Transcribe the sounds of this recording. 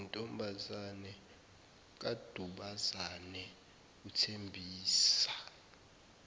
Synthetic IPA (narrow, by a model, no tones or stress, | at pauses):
ntʼɔmbʱazanɛ | k̬ʼad̥ʱuɓazanɛ | utʰembʱiːsḁ